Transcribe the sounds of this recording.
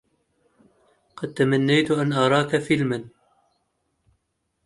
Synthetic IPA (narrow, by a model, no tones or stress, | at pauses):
qɑd̪̚t̪amanːajt̪ʊʔanʔɑɾˤɑːkafɪlman